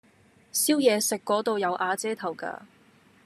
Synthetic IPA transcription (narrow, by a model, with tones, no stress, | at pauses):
siː˥wjɛː˨˧sɪ˨kːɔː˨˥t̪o˧wjɐ˨˧wʔaː˧t͡sɛː˥t̪ʰɐ˨˩wka̰ː˧